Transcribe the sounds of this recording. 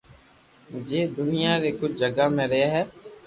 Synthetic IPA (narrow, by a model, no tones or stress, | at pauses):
d͡ʒeːd̪ʊnɪjãːɾeːkʊt͡ʃʰd͡ʒəɡaːmẽːɾeeːɦɛː